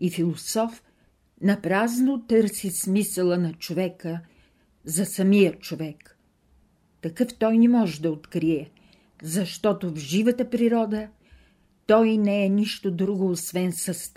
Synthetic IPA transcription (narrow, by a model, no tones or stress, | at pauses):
ifilˠosɔf | nɐpɾaznot̪ɤɾsismisəlˠənɐt͡ʃovɛkə | zɐsɐmijət͡ʃovɛk | t̪ɐkɤft̪ɔjnɛmɔʒɛd̪ɐot̪kɾiɛ | zɐʃt̪ɔt̪ovʒivət̪əpɾiɾɔd̪ə | t̪ɔjnɛɛniʃt̪od̪ɾuɡoːsvɛnsəst̪